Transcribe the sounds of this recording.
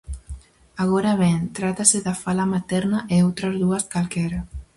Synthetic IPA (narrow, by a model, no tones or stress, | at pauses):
aɣɔɾaβent̪ɾat̪aseðafalamat̪ɛɾnaʔeot̪ɾazðuaskalkɛɾa